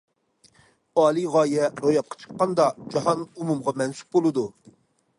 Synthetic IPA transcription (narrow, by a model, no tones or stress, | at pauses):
ɑːlˠɨʁɑːjɛɾojɑp̚qʰə̥t͡ʃʰə̥qːɑnd̪ɑd͡ʒɑhɑnumumʁɑmɛnsu̥p̚bolˠɨd̪u